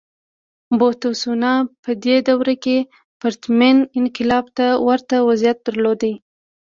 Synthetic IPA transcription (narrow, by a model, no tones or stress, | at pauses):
bot̪osunɑpəd̪ed̪awɾake | paɾt̪menɪnqɪlɑbt̪awaɾt̪awazijat̪̚d̪̥əɾlod̪a